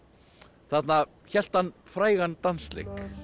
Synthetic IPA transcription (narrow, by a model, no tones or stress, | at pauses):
θat̪na | çɛl̥t̪hanːfɾaːjɣant̪anslḛjk